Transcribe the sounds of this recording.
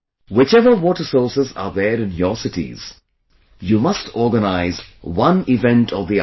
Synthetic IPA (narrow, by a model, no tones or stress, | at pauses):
wɪt͡ʃɛʋəwɔːʈəsɔːsɪza̰ːd̪ɛːɾɪ̃njɔsɪʈḭz̥ | juːmʌsʈʰɔːɾɡənaɪzwʌ̃nɪʋɛ̃nʈʰɔʋði